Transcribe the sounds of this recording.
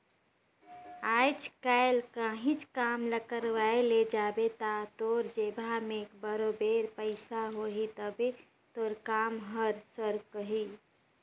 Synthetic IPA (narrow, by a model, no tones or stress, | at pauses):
ajt͡ʃkaɪlkaɦĩt͡ʃkaːmləkəɾʋaeled͡ʒaːbet̪at̪oɾd͡ʒebʱamekbəɾobeɾpəɪsaɦoɦit̪əbe | t̪oːɾkaːmɦəɾsəɾkəɦi